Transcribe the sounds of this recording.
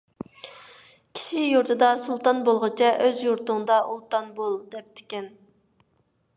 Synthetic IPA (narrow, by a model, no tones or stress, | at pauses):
kʲʰi̥ʃijuɾt̪ʰɨd̪ɑsulˠt̪ɑnbolˠʁət͡ʃʰɛʔøzjuɾt̪ʊŋd̪ɑʔulˠt̪ɑnbolˠd̪ɛp̚t̪ʰɪ̥kʲɛn